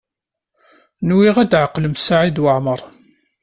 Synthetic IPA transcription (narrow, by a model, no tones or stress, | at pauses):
nwiʁæd̪ʕəqːləmsaʕid̪wəʕməɾˤ